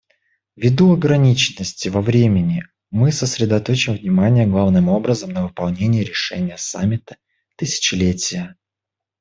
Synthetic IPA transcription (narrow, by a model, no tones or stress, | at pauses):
vʲɪd̪uɐɡɾɐnʲit͡ɕɪnːəsʲtʲɪvɐvɾʲemʲɪnʲɪ | mɨsəsɾʲɪd̪ɐt̪o̞t͡ɕɪmvnʲɪmanʲɪjəɡlˠavnɨmo̞bɾəzəmnəvɨpɐlˠnʲenʲɪjəɾʲɪʂɛ̰nʲɪjəsa̰mʲːɪt̪ə̥ | t̪ɨsʲɪ̥t͡ɕɪlʲetʲɪjə